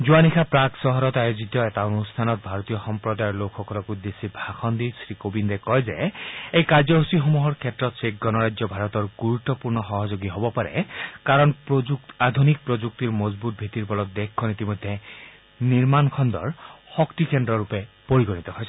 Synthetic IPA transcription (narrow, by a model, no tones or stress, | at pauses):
zuanikʰapɹaksɔɦɔɾɔt̪ajozit̪ɔɛtaonust̪ʰanɔt̪̚bʱaɹɔt̪ijɔxɔmpɹɔd̪ajɹlokʰxɔkɔlɔkud̪esibʱaxʰɔnd̪isɹikobindɛkɔjzeejkaɹzɔɦusixɔmuɦɔɹkʰɛtːɹɔt̪sekɡɔnɔɹajzɔbʱaɾɔt̪ɔɹɡuɹut̪ːɔpuɹnɔxɔɦɔzoɡiɦobɔpaɹɛ̰kaɹɔnpuad̪ʱunik̚pɹod͡ʒuk̚t̪iɹmɔzbut̪̚bʱit̪iɹpɔlɔt̪̚d̪ekʰːɔnit̪imɔjd̪ʱːe | niɹmankʰɔnd̪ɔ̰ɹxɔkt̪ikendɾɔɹupɛpoɹiɡɔnit̪ɔɦoɔjsʰ